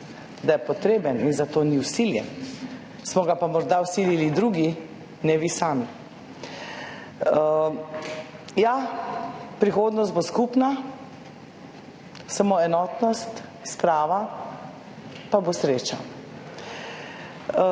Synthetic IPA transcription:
d̪ajɛpɔt̪ɾeːbəninzat̪oːniwsiljɛ̰n | smɔɡapamɔɾd̪awsililid̪ɾuɡi | nɛʋisaːmi | ja | pɾixoːd̪nɔst̪̚boskupna | samoɛnɔːt̪nɔst̪spɾaːʋa | pabosɾeːt͡ʃa

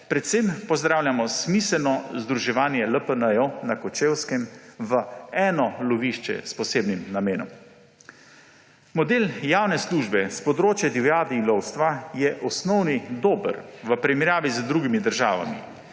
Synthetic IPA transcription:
pɾɛt̪sempɔzd̪ɾaːwljamɔsmisəlnɔzd̪ɾuʒɛʋaːnjɛləpənəjonakɔt͡ʃeːwskɛmʋəɛːnɔlɔʋiʃt͡ʃɛ̰spɔseːbnimnameːnɔ̰m | mɔd̪eːljaːwnɛsluʒbɛspɔd̪ɾoːt͡ʃjad̪iwjaːd̪iːlɔwst̪ʋajɛʔɔsnɔwnid̪oːbə̰ɾʋəpɾimɛɾjaːʋizd̪ɾuɡimid̪əɾʒa̰ːʋa̰mḭ

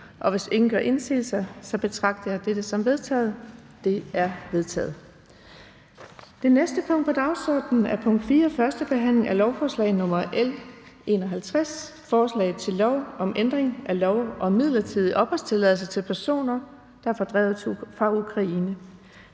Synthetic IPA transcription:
ʔɒ̽ʋe̝se̝ŋn̩ɡ̥ɶɐʔe̝nsḭːð̩ˠsɑ̈ɪsɒ̽b̥e̝t͡sʰʁɑ̈ɡ̥̚d̥ɐjɑ̈d̥ed̥əsɒ̽mʋe̝ðˠt͡sʰɛ̰ːð̞̩ˠ | d̥e̝æɐʋe̝ðˠt͡sʰɛ̰ːð̩ˠ | d̥e̝nesd̥əpʰɔ̽ŋ̰d̥̚pʰɒ̽d̥ɑ̈ʊsɒ̰ːd̥nn̩æɐpʰɔ̽ŋ̰d̥fiːɐfɶɐsd̥əb̥e̝ɦæn̰le̝ŋælɒʊfɒːslɛ̰ɪnɔ̽mɐʔel | ʔe̝̰ːnɒɦælt͡sʰʁas | fɒːslɛ̰ɪð̩ˠt͡sʰe̝lːɒʊɒ̽mʔend̥ʁeŋʔælɒʊʔɒ̽mið̞̰ˠlɐt͡sʰið̞̰ˠiʔɒ̽b̥ʁast͡sʰe̝lɛðˠl̩ˠsət͡sʰe̝lpʰæɐso̝̰ːnɐ | d̥ɑ̈ɐfɒ̽d̥ʁɛ̰ːʊfɑ̈ukʰʁɑ̈iːnə

